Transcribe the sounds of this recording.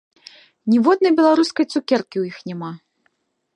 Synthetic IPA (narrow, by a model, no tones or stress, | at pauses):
nʲivɔd̪̚nɐjbʲɛlˠaɾuskɐjt̪sukʲɛrkʲiwjixnʲɛma